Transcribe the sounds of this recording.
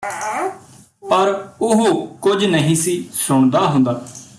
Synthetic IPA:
pəɾʊɦokʊd͡ʒnəɦĩːsiːsʊɳd̪aːɦʊ̃nd̪aː

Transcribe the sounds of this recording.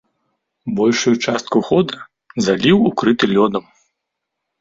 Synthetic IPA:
bɔlʲʂujut͡ʂast̪̚kuxɔd̪ɐ | zalʲiwukɾɨt̪ɨlʲɔd̪ɐm

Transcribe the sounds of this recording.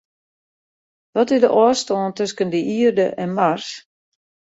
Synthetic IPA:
ʋɔtɪdəʔɔːstɔːntøskəndəʔiərdəʔɛnmars

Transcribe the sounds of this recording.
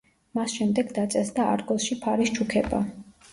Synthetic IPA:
masʃɛmd̪ɛɡd̪at̪sʼɛsd̪aʔa̰ɾɡɔlˠʃipʰaɾist͡ʃʰukʰɛba̰

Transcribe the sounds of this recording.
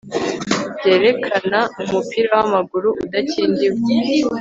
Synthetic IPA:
bɟe̞ːɾe̞kʰanaumupiɾawamaɡuɾuʔudaciːndiβɡi

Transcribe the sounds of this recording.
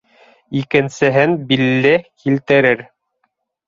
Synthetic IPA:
ikɘ̆nsɘ̆ɦɘnbilːɘkilt̪ɘ̆ɾɘɾ

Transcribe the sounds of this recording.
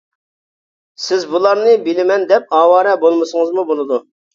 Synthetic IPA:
sɪzbulˠɑɾnɨbɪlɪmɛnd̪ɛp̚ɑːwɑːɾɛbolˠmɨsəŋəzmubolˠɨd̪u

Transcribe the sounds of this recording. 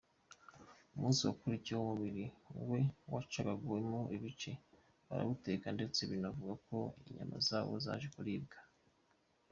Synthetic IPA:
umuːnsiwakuɾicwoumuβiɾiŋɡwe̞wat͡ʃaβaɡuwe̞mo̞ʔiβit͡ʃe̞ | βa̰ɾa̰βute̞kande̞t͡se̞βinavuɡako̞iɲa̰mʔa̰zaːβo̞̰za̰ʒekuɾiːbɡḁ

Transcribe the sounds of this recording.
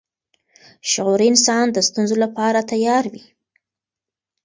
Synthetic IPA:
ʃʊɣuɾiɪnsɑnd̪əst̪unzolapɑɾat̪ajɑɾwi

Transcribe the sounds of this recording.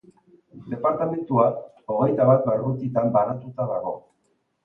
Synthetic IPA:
d̪e̞paɾt̪ame̞nt̪ua | o̞ɣe̞jt̪aβat̪baɾɣut̪it̪ambaɾat̪ut̪aðaɣo̞̰

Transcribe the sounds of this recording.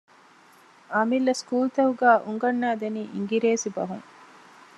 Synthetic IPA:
ɐmilːɐskuːlt̪ɐɦuɡæːʔuŋɡɐnːaːd̪eniːʔḭŋɡiɾeːsibɐ̰ɦṵŋ

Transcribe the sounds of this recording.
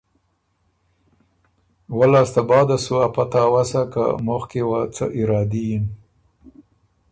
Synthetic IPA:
walɑst̪abɑːd̪asuapat̪awasaka̰moxkewat͡səʔɪɾɑːd̪ijin

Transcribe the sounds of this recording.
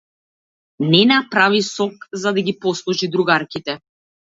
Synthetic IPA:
nɛnapɾavisɔkzad̪aɡʲipɔslˠuʒid̪ɾuɡaɾkit̪ɛ

